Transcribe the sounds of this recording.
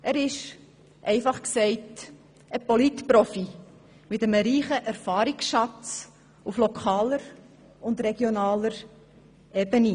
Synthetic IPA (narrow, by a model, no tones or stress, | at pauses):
ʔæɾɪʃ | ʔɛɪfɑχksɛɪt | əpolitpɾɔfi | mɪtəməɾiːχəʔæɾfɑːɾiksʃɑt͡s | uflokʰɑːləɾ | ʊnd̪ɾɛɡ̥jonɑːləɾ | ʔeːbəni